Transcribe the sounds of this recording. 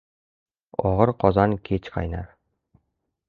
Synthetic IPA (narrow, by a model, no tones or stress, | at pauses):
ɒʁɤɾqɒzɑŋket͡ɕqɑ̰jnɑ̰ɾ